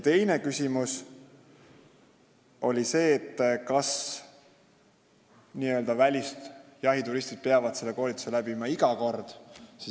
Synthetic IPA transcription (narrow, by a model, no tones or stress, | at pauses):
t̪e̞jne̞kysʲimus | o̞lʲise̞ːt̪ːkɑs | niːø̞ld̪ɑvælʲist̪jɑɦit̪uɾist̪id̪̥̚peɑvɑd̪̥se̞lːe̞ko̞ːlʲit̪ːˑu̥se̞læb̥imɑiɡ̥ɑko̞rd̪̥si